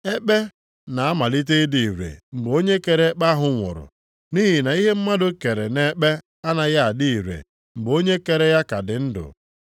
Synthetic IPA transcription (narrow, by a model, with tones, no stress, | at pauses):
e˦k͡pe˦ | na˨a˦ma˨li˦t̬e˦di˨i˨ɾḛ˨ŋ͡m̩˨ɡ͡bo˦ɲe˦ke˨ɾe˦k͡pa˦ɦʊ˨ŋʷɔ̰˨ɾʊ̰˨ | ni˦ɦi˨na˨i˦ɦe˦m̩˦ma˦dʊ˦ke˨ɾe˨ne˦k͡pe˦ | a˦na˨ja˦a˨di˦i˨ɾḛ˨ | m̩˨ɡ͡bo˦ɲe˦ke˨ɾe˦ja˦ka˨dɪ˨n̩˦dʊ̰˨